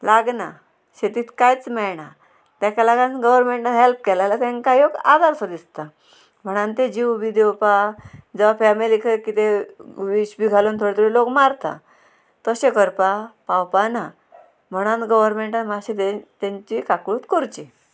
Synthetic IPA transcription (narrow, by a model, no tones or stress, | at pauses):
laɡna | ɕet̪iːt̪kajt͡smɛɭɳa | t̪ãkalaɡãnɡəʋəɾmeɳʈanɦelp̚kɛlajlat̪ɛ̃ŋkajoɡa̰d̪aɾsəd̪ist̪a | m̤əɽ̃ãnt̪ed͡ʑiwbid̪ewpad͡zəʋafɛmilikʰəkit̪eʋiɕbiɡʱalont̪ʰoɽet̪əɾilokmaɾt̪a̰ | t̪əɕẽkəɾpapawpana | m̤əɽ̃ãnt̪ɡəʋəɾmeɳʈanmaɕet̪t̪ãɲt͡ɕikakɭuːt̪koɾt͡ɕi